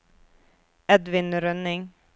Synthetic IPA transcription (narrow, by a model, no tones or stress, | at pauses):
ɛd̪ʋɪnɾœnɪŋ